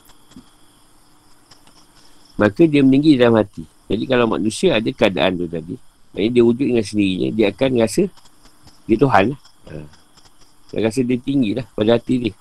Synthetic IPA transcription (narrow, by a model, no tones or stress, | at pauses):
makadiəməniŋɡidalamhat̪i | d͡ʒadikalawma̰knũsiaːdakəada̰ʔa̰nd̪ot̪adi | na̰jədiəud͡ʒʊt̪̚əŋansəndiɾiɲə̰diaakanrasə | diət̪oɦanlah | ə̰ | da̰ɣas̬ədiət̪iŋɡilahpadaɦat̪idɪh